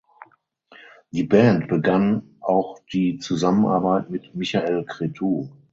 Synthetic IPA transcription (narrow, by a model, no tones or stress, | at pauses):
d̥iːbɛːntb̥əɡan | ʔaʊxd̥iːt͡suzamənʔa̰ɐbaɪtmɪtmɪçaʔelkʁ̥etʰuː